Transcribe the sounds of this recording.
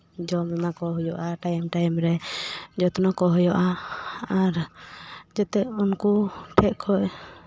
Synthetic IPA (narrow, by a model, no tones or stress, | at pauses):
d͡ʒɔmɛnakɔɦɔjɔʔaʈajmʈajmɾɛd͡ʒɔt̪ɔnɔkɔɦɔjɔʔaaɾ | d͡ʒɛt̪ɛunkuʈʰɛʔkʰɔʔ